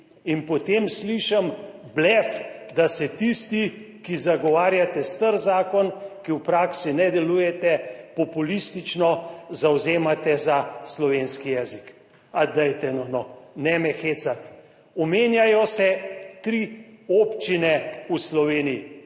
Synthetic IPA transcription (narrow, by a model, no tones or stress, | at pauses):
inpɔt̪emsliʃamblɛfd̪asɛt̪ist̪i | kizaɡɔʋaːɾjat̪ɛst̪əɾzaːkɔnkiwpɾaːksinɛd̪ɛlujɛt̪ɛpɔpulist̪it͡ʃnɔzawzeːmat̪ɛzaslɔʋeːnskijɛːzik | ad̪ajt̪ɛnɔnɔnɛmɛxeːsat̪ | ɔmeːnjajɔsɛt̪ɾioːpt͡ʃinɛuslɔʋeːniji